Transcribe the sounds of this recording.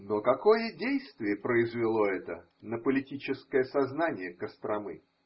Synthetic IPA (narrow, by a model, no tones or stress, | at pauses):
nokɐkojədʲejst̪vʲɪjəpɾəɪzvʲɪlˠoɛt̪ə | nəpəlʲɪtʲit͡ɕɪskəjəsɐznanʲɪjəkəst̪ɾɐmɨ̰